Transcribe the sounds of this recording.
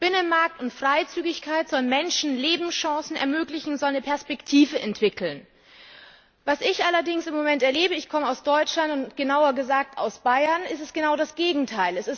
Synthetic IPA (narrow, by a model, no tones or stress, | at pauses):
b̥ɪnənmaɐk̚tʊntfʁ̥aɪt͡syːɡɪçkʰaɪtz̥ɔlənmɛnʃn̩leːbm̩sʃɔ̃ŋsn̩ɛ̰ɐmøːklɪçn̩zɔlnəpʰɛɐspɛktʰiːvəʔɛntv̥ɪkl̩n | vasɪçʔalɐdɪŋsɪmːomɛntɛɐleːbəɪçkʰɔməaʊsd̥ɔʏt͡ʃlantʊntɡ̥ənaʊɐɡəzaːk̚ta̰ʊsb̥aɪɐnɪstɛsɡ̥ənaʊdasɡ̥eːɡŋ̩tʰaɪlɛsɪs